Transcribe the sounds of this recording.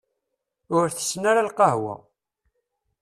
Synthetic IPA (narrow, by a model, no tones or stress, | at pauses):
ʊɾθə̥snaɾalqɑɦwæ̰